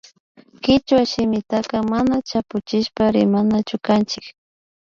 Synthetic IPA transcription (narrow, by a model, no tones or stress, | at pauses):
kɪt͡ʃwaʃɪmɪt̪akamanat͡ʃapʊt͡ʃɪʃpaɾɪmanat͡ʃʊkant͡ʃɪk